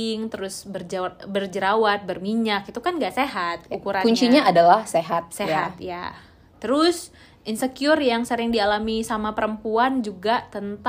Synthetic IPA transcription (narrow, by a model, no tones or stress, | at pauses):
ɪŋt̪əɾʊsbərd͡ʒbərd͡ʒəɾawat̪̚bərmiɲakit̪ukanŋɡaʔseɦat̪̚ukuɾakuɲt͡ʃiɲaːdalahseɦat̪̚seɦaat̪ja̰ | t̪əɾʊs | ʔinsəkjɔrjaŋsəɾɪŋdialamisamapəɾəmpuand͡ʒuɡat̪ənt̪